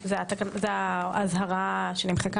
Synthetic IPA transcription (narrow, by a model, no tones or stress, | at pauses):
zeat̪akanzeaazhaʁaʃenimχeka